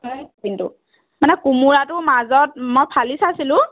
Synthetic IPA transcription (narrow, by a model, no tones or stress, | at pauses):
akintʊ̰ | manɛkumuɹatʊmazɔt̚mɔjpʰalisasilʊ̃